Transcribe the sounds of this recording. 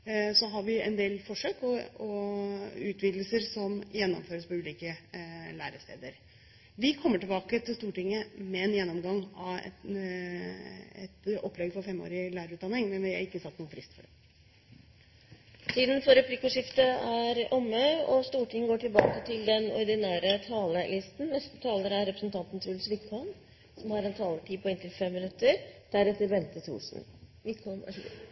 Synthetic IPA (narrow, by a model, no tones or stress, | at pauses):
sɔɦɑɾʋɪɛ̰nd̪eːlfɔʂøːkɔɔ | ʉːt̪ʰʋiːd̪l̩səɾsɔmjɛnːɔ̰mføːɾəspɔʉːliːkəlæːɾəst̪eːd̪əɾ | ʋɪkʰɔmːəʈɪlbɑːkət̪ʰɪlst̪uːʈɪŋːəmɛːnjɛnːɔmɡɑŋːɑʋ | ɛ̰t̪ɔpːlɛɡfɔɾfɛmːo̰ːɾɪəlæːɾəʉːt̪d̪ɑnɪŋmɛnʋɪhæ̰ɾɪkːəsɑt̪ːnuːəfʰɾɪst̪fɔɖɛ | t̪ʰiːd̪n̩fɔɾɛpʰlikʊʂɪft̪əæɾʔɔmːəɔst̪uːʈɪŋɡoːʈʰɪlbɑ̰ːkət̪ʰɪld̪ɛnɔ̰ɾɖ̪ɪnæːɾət̪ʰɑːləlɪst̪n̩nɛst̪ə̥t̪ʰɑːləɾəæɾɛpɾəsn̩t̪ʰɑnt̪n̩t̪ʰɾʉlsʋɪkʰɔn | sɔmhɑɾɛnt̪ʰɑːləʈʰiːpʰɔɛːnt̪ʰɪlfɛmːɪnʉt̪ːəɾd̪̥æɾɛt̪ːəɾbɛnt̪ət̪ʰṵːʂn̩ʋɪkʰɔnæ̰